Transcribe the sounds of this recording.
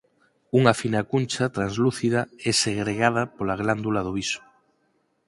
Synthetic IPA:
uŋafinakunt͡ʃat̪ɾanzluθiðaeseɣɾeɣað̞apolaɣland̪ulaðoβiso̥

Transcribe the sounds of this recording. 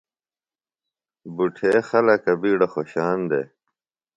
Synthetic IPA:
buʈʰeːxɐlɐkɐbiːɽɐxoɕaːnd̪ḛː

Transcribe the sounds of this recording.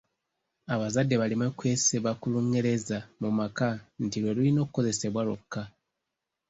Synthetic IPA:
aβazadːe̞βalimekwe̞ːseβakuluŋɡeɾe̞zamumakantilwe̞lulino̞ːkuko̞ze̞se̞βwalo̰kːa

